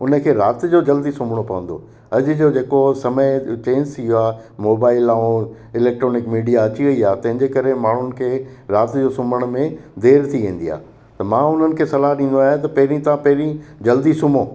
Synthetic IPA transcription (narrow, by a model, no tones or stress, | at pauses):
ʊnə̆kʰeːɾaːt̪d͡ʑoːd͡ʑɐld̪isʊmʱəɽ̃opɐʋə̃n̆d̪o̰ | ɐd͡ʑʊ̆d͡ʑoːd͡ʑeːkosɐməjt͡ɕeːnsʰɪɦoaː | moːbaːɪlaːõ | ɪlɛːk̚ʈɾoːnɪkmiːɖijaɐt͡ɕiʋɐiaːt̪ɐ̃ɦɪ̃ɲd͡ʑekɐɾemaːɳ̤ʊnɪ̆kʰeːɾaːt̪d͡ʑoːsʊməɽ̃mẽd̪eːɾt̪ʰiʋẽːn̆d̪ia̰ː | t̪ɐmãːʊn̤ənɪ̆kʰeːsɐlaɗĩːnd̪oaːɦet̪ɐpɐɦɪɾĩt̪ãpɐɦɪɾĩd͡ʑɐld̪isʊmõː